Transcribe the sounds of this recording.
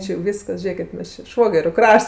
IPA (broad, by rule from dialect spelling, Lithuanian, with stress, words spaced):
ˈt͡ʃʲɪ jɛʊ ˈʋʲiːskɐs ˈʒʲeːkʲɪt ˈmʲɛs t͡ʃʲɪ ˈʃʋoːɡʲɛrʲʊ ˈkrɐʃts